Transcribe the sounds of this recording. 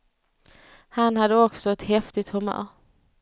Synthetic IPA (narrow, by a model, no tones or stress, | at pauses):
hanhad̪ːəɔksɔɛt̪hɛft̪ɪt̪hɵmœ̰ːɾ